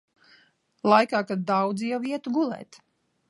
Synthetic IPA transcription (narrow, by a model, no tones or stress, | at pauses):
lˠajkaːkad̪̚dːawd̪zijawiɛt̪uɡulˠɛ̰ːt̪